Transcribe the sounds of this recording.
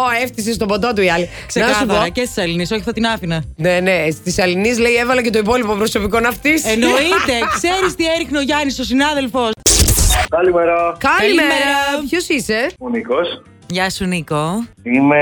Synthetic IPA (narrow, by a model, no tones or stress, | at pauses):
oeft̪is̬es̬t̪obot̪ot̪̬uiɐli | ksenɐksɐuθɐoɾɐcest̪isɐliniso̞çifθɐt̪inɐfinɐnenest̪isɐlinizleievɐlɐcet̪o̞ipo̞lipopɾoso̞piko̞nɐft̪isenoit̪e̞kseɾist̪ieɾixneoʝɐnisosinɐðe̞lfo̞s | kɐlimeɾokɐɐlimemeɾɐpçosise̞nikos | ʝɐsunikoime